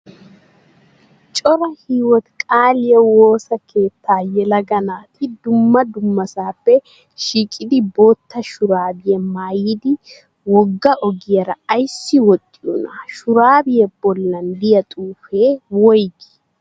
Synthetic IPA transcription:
t͡ʃʼɔɾɐhiːwɔt̪kʼaːlɪjɛwoːsɐkʰe̞ːt̪ʰːaːjɛlɐɡɐnaːt̪ɪd̪ʊmːɐd̪ʊmːɐsaːpːɛ | ʃiːkʼɪd̪ɪbo̞ːt̪ːɐʃʊɾaːbɪjɛmaːjɪd̪ɪ | wɔɡːɐʔɔɡɪjɛɾɐːjsːɪwɔt̪ʼːɪʔʊnaʃʊɾaːbɪjɛbɔlːɐnd̪ɪjɐt̪ʼuːfeːwɔjɡɪ̥

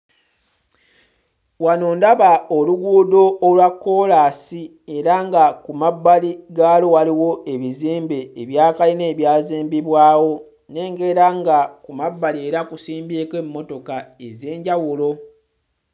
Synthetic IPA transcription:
wanoːndaβaoluɡuːdo̞ːlwakːo̞laːsi | e̞ɾaŋɡakumabːaliɡaːlo̞waliwo̞ʔe̞βiziːmbe̞ːβjaːkaline̞ːβjaːziːmbiβwaːwo̞ | ne̞ːŋɡeɾaŋɡakumabːalieɾakusiːmbeːkeːmːo̞to̞kae̞ze̞ːɲɟawulo̞

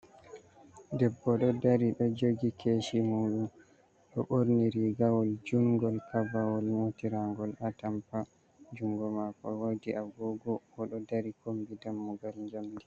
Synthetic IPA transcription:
dɛbːɔɗɔdaɾiɗɔd͡ʒoɡikʰeʃimuːɗum | ɗɔ̰ʔoɾniɾiɡawɔld͡ʒuŋɡɔlkabawɔlmotiɾaŋɡɔlatampa | d͡ʒuŋɡɔmakɔ̰wawdiʔaɡɔɡɔɔɗɔdaɾikombidamːuɡalɲd͡ʒamdi

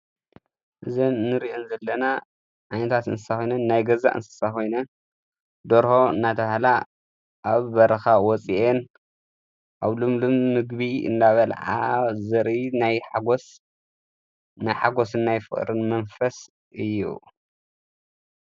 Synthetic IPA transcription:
ʔɨzɐnnɨɾiʔonzɐlːɐna | ʔanɐt̪ʰat̪ɨ̰nsɨ̥saxojnɐnːajɡɐza̰ʔɨ̰nsɨ̥sako̞jnɐn | d̪oɾho̞ɨnːat̪ʰɐβahla | ʔaβbɐɾɐxawɔt͡sʼiʔen | ʔaβlumlɨmmɨɡβiɨ̰nd̪aβɐlʕa̰zɐɾʔinajħaɡos | najħaɡosɨnːajfɨ̰χʼɾɨnmɐnfɐs | ʔɨjːṵ

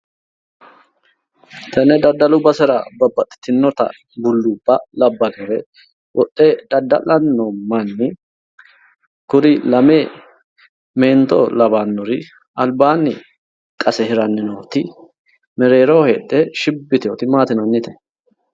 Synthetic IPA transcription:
t̪ʰɐnɛd̪ɐd̪ːɐlʊbɐsɛɾɐbɐbːɐt̪ʼːɪ̥t̪ɪnːɔt̪ɐ̰ | bʊlːub̥ːɐlɐbːɐɡɐɾɛ | wɔt̪ʼːeːd̪̥ɐd̪ːɐ̰lɐnːomɐnːɪ | kʊɾɪlɐmeː | meːnt̪o̰ːlɐbanːɔɾɪ | ɐlbaːnːɪ | kʼɐsɛhɪɾɐnːɪnoːt̪ɪ | mɛɾe̞ːɾoːheːᶑ̪ʼeʃɪbːɪt̪oːt̪ɪmaːt̪ɪnɐnːɪt̪ɛ̥

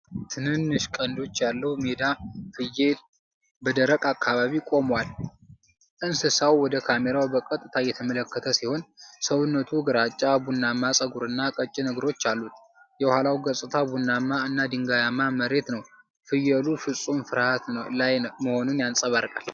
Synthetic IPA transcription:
t̪ʰɨnɨnːɨʃkʼənd̪o̞t͡ʃːjalːəhumed̪afɨjel | bəd̪əɾəkʼakːaβaβikʼo̞mwal | ʔɨnsɨsawwɔd̪əkʰame̞ɾawbəkʼət̪ʼːɨt̪ʰajɛt̪ʰəmələkːət̪ʰəsiho̞nsəwɨnːət̪ʰuɡɨɾat͡ʃʼːabunːamːasʼəɡuɾɨnːakʼət͡ʃʼːinəɡɾo̞t͡ʃːalːut̪ | jɛwhalawɡəsʼɨt̪ʰabunːamːaɨnːad̪ɨŋɡajamːaməɾe̞t̪nəw | fɨjɛlufɨsʼumfɨɾhat̪lajməho̞nunjansʼəβaɾkʼa̰l

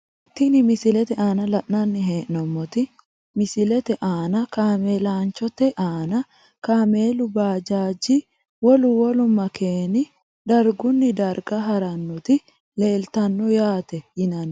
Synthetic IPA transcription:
ʔɪt̪ːɪnɪmɪsɪlɛt̪ɛʔaːnɐlɐʔnɐnːɪɦeːʔnɔmːɔt̪ɪ | mɪsɪlɛt̪ɛʔaːnɐkaːmeːlaːnt͡ʃɔt̪ɛʔaːnɐ | kaːmeːlʊbaːd͡ʒaːd͡ʒɪ | wɔlʊwɔlʊmːɐkeːnɪ | d̪ɐɾɡʊnːɪd̪ɐɾɡɐɦɐɾɐnːɔt̪ɪ | le̞ːlt̪ɐnːɔjaːt̪ɛjɪnɐn

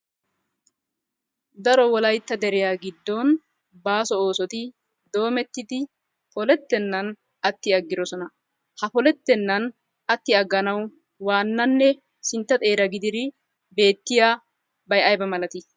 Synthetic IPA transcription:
d̪ɐɾɔwɔlɐjt̪ːɐd̪ɛɾɪjaɡɪd̪ːɔn | baːsɔo̞ːsɔt̪ɪ | d̪o̞ːmɛt̪ːɪd̪ɪ | pɔlɛt̪ːɛnːɐn | ɐt̪ːɪɐɡːɪɾɔsɔnɐ | hɐpɔlɛt̪ːɛnːɐn | ɐt̪ːɪɐɡːɐnɐw | waːnːɐnːɛ | sɪnt̪ːɐt̪ʼe̞ːɾɐɡɪd̪ɪd̪ɪ | be̞ːt̪ːɪjaː | bɐjɐjbɐmɐlɐt̪ɪ

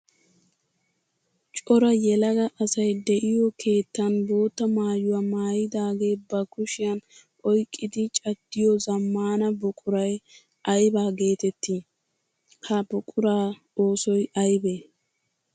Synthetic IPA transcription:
t͡ʃʼɔɾɐjɛlɐɡɐʔɐsɐjd̪ɛʔɪjɔkʰe̞ːt̪ːɐnbo̞ːt̪ːɐmaːjʊwaːmaːjɪd̪aːɡeːbɐkʊʃɪjɐnʔɔjkʼːɪd̪ɪt͡ʃʼɐd̪ːɪjɔzɐmːaːnɐbʊkʼʊɾɐj | ʔɐjbaːɡe̞ːt̪ɛt̪ːi | hɐbʊkʼʊɾaː | o̞ːsɔjʔɐjbeː

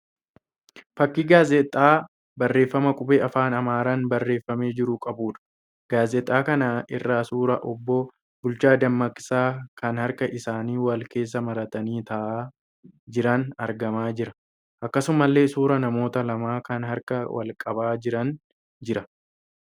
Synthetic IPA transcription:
fɐkːiɡaːzɛt̪ʼːaː | bɐrːe̞ːfːɐmɐkʼʊbeːɐfaːnɐmaːɾanbɐrːe̞ːfːɐme̞ːd͡ʒɪɾʊkʼɐbuːᶑɐ̥ | ɡ̥aːzɛt̪ʼːaːkɐnaːʔɪrːaːsuːɾɐʔɔbːo | bʊlt͡ʃaːd̪ɐmːɐkʼɪ̥saːkɐnhɐɾkɐʔɪsaːniːwɐlke̞ːs̬ːɐmɐɾɐt̪ɐniːt̪ɐʔaː | d͡ʒɪɾɐnɐɾɡɐmaːd͡ʒɪɾɐ̥ | ʔɐkːɐsʊmɐlːe̞ːsuːɾɐnɐmo̞ːt̪ɐlɐmaːkɐnɦɐɾkɐwɐ̰lkʼɐbaːd͡ʒɪɾɐn | d͡ʒɪɾɐ

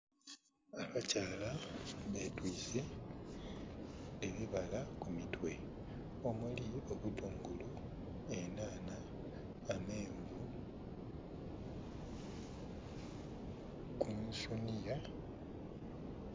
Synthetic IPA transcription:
aβacaːlaβetwiːse | βiβalakumitwe̞ | o̞mwulio̞βuduːŋɡulu | e̞naːnaː | meːɱvu | kunsunija

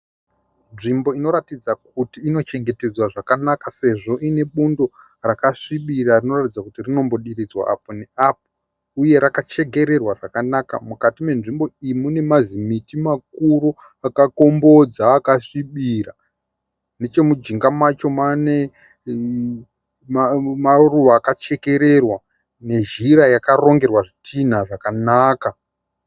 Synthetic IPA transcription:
nʐimbo̞ino̞ɾatid͡zak̚utiːno̞t͡ʃe̞ŋɡe̞te̞d͡zwaʐakanakase̞ʐo̞ʔine̞ɓundo | rakaʂiɓirarino̞ratid͡zakutirino̞mbo̞ɗirid͡zwa̰a̰poneap̚o | uje̞ɾakat͡ʃe̞ɡʱe̞ɾe̞rwaʐakanaka̰mukatime̞nʐimbo̞imune̞mazimitimak̚uɾo | akako̞mbo̞d͡zaːkaʂiɓira | ne̞t͡ʃe̞mud͡ʒiŋɡamat͡ʃomane | mmaruʋaːkat͡ʃe̞ke̞ɾe̞rwa | ne̞ʒiɾajakaro̞ŋɡe̞rwaʐitʰin̤aʐakanaːka

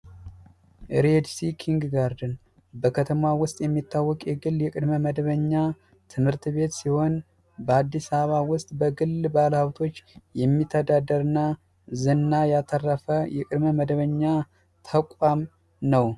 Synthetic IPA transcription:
ʔɾed̪sikʰiŋɡɡaɾd̪ɨn | bəkʰət̪ʰəmawʊst̪ʼjɛmːit̪ːawːɔkʼjɛɡɨlːjɛkʼɨd̪məməd̪βəɲːa | t̪ʰɨmhɨɾt̪βe̞t̪siho̞n | bəad̪ːisaβawʊst̪ʼbəɡɨlbalhawt̪ʰo̞t͡ʃːjɛmːit̪ʰːəd̪ad̪əɾɨnːa | zɨnːajat̪ʰərːəfəjɛkʼɨd̪məməd̪əβəɲːa | t̪ʰəkʷʼam | nəw

